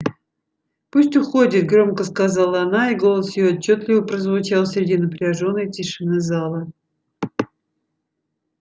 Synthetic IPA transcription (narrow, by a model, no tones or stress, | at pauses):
pusʲtʲʊxo̞dʲɪt̪̚ɡɾo̞mkəskazɑlˠəɐnaiɡo̞lˠəsjɪjoɐt͡ɕːot̪lʲɪvəpɾəzvʊt͡ɕalˠsɾʲɪdʲinəpɾʲɪɐʐo̞nːəjtʲɪʂɨnɨzɑlˠə